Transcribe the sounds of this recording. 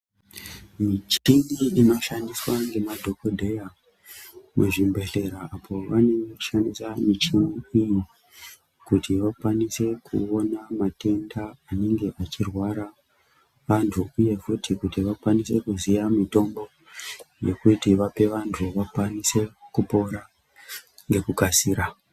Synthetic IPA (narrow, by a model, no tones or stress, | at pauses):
mit͡ʃiniino̞ʃandiswaŋɡe̞madʱo̞ko̞dʱeja | muʐimbe̞ɬe̞ɾaapʰo̞ʋane̞ŋɡeku̥ʃandisamit͡ʃiniiji | kutiʋakwanise̞kʰṵonamate̞ndaːne̞ŋɡe̞ʔat͡ʃirwaɾa | ʋantʰuuje̞futʰikutiʋakwanise̞kuzijamito̞mbo̞ | je̞̰kutiʋape̞ʋantʰuʋakwanise̞kupo̞ɾa | ŋɡe̞kukasiːɾa